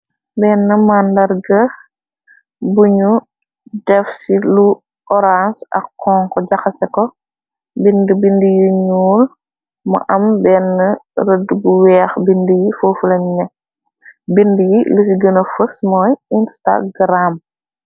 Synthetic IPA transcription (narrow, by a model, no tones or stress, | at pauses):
bɛːnːəmandɐɾɡə | buɲu | dɛfsilu | ɔɾansɐ̰kːɔːŋkɔɟɐxɐsɛkɔ | bindəbindəjiɲuːl | mɐ̰ʔɐmbɛːnːərədːəbuwɛːxbindəjifoːfulɐmɲɐ | bindəjiləsiɡənɐfəsmɔːjinsta̰ɡɾam